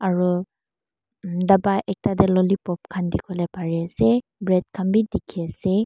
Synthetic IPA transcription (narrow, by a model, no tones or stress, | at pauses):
aɹu | dabaʔek̚tadelɔlipɔp̚kʰandikʰɔlepʰaɹesebɹet̚kʰambidikʰise